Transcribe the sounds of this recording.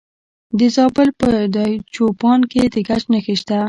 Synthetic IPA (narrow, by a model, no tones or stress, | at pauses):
d̪əzɑbəlpəd̪ɑjt͡ʃopɑnked̪əɡat͡ʃnəxiʃt̪a